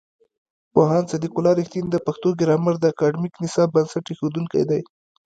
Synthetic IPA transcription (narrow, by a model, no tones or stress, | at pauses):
poɦɑnsad̪ikʊlɑɾixt̪ind̪əpaxt̪oɡɪɾɑmaɾd̪əakɑɖmiknɪsɑb̚bansaʈexod̪uŋka̰jd̪aj